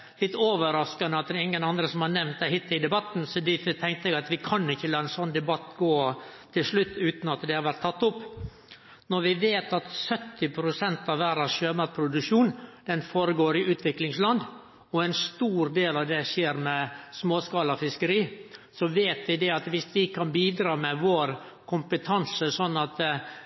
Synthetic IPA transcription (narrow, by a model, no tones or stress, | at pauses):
lɪt̪ːoːʋəɾɑskɑnəɑt̪ɛɪŋːənɑnd̪ɾəsɔmhɑɾnɛmnt̪̚d̪ɛhɪt̪ːɪd̪ɛbɑt̪ːn̩sɔd̪iːt̪ɪt̪ʰɛŋkt̪əɛɡɑt̪ʋɪkʰɑnːɪçːəlɑɛnsɔnːd̪ɛbɑt̪ːɡoːt̪ʰːɪlslʉt̪ːʉːt̪n̩ɑt̪d̪ɛhɑɾʋæɾʈt̪ʰːɑt̪ːʊpː | nɔɾʋɪʋeːt̪ɑt̪sœt̪ʰːɪpʰɾʊsɛnt̪ɑʋʋæːɾɑsʃøːmɑt̪pʰɾʊd̪ʉʂuːnd̪̥ɛnfoːɾəɡoːɾɪʔʉːt̪ʰʋɪklɪŋslɑnd̪ | ɔæɪnst̪uːɾd̪eːlɑʋd̪ɛʃeːɾmɛsmoːskɑːlɑfɪskəɾiːsɔʋeːt̪ʋɪd̪ɛɑt̪ʋɪsʋɪkʰɑnbiːd̪ɾɑːmɛʋoːɾ | kʰʊmpət̪ʰɑnsəsɔnːɑt̪